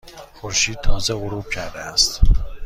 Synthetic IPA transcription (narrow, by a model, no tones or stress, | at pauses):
xoɾʃiːd̪̚t̪ʰɒːzeɣoɾuːb̥̚cʰæɾd̪eæst̪